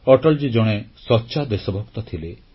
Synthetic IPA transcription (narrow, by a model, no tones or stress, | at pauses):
ɔʈɔld͡ʒid͡ʒɔɽ̃esɔtːʃad̪esɔbʱɔkt̪ɔt̪ʰile